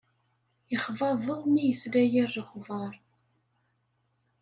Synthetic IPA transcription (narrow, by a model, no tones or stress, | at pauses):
jəχvɑvˤəðˤnijəslæjərːəχvɑɾˤ